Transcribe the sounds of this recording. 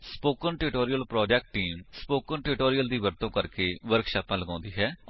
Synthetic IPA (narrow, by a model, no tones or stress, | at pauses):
spoːkənʈɪʈoːɾijəlpɾɔːd͡ʒɛːk̚ʈːiːmspoːkənʈɪʈoːɾijəld̪iːʋəɾt̪õːkəɾkeːʋəɾkʃaːpãːləɡãːnd̪iːɦɛː